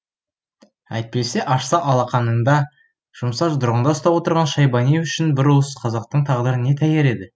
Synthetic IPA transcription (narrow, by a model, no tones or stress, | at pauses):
æ̰jt̪̚pe̞se̞ʔɑʃsɑʔɑlˠɑqɑnəɴd̪ɑ | ʒ̥ʊmsɑʒd̪ʊɾʁənd̪ɑʊst̪ɑpwo̞t̪əɾʁɑnʃɑjbɑnijʏʃɪnbɪɾuəsqʰɑzɑq̚t̪əɴt̪ʰɑʁd̪əɾəne̞t̪ʰæjeɾe̞d̪ɪ